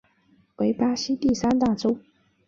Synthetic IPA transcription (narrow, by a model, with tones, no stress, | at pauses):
we˧˥ɪpa˥ɕi˥t̪i˥˩sa˥nt̪a˥˩ʈ͡ʂo˥